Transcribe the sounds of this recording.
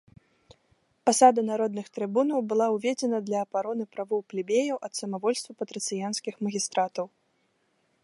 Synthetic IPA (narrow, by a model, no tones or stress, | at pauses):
pasad̪ɐnaɾɔd̪̚nɨxt̪ɾɨbunɐwbɨlˠawvʲɛd͡zʲɛnɐd̪lʲɐːbaɾɔnɨpɾavɨwplʲibʲejɐwʔɐt̪sɐmavɔlʲst̪vɐpɐt̪ɾɨt̪sɨjansʲkʲixmɐɣʲist̪ɾat̪ɐw